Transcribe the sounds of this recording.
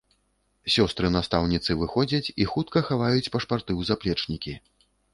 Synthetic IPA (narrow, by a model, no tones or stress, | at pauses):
sʲɔst̪ɾɨnast̪awnʲit̪sɨvɨxɔd͡zʲɐt͡sʲixut̪kɐxavajut͡sʲpɐʂpart̪ɨwzaplʲɛt͡ʂnʲikʲi